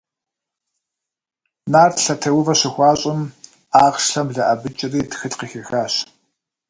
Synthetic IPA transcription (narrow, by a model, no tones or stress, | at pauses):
naːrtɬɐtʰɐwʊvɐɕɪxʷɑːɕʼɪm | aːʁʃɬɐmɮɐʔɐbɨt͡ʃʼɪriːtxɨɬqixɐxaːɕ